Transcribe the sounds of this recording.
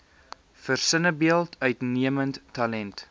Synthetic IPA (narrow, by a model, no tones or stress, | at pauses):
fərsənəbiəlˠtœɥtniəmənttɐlɛnt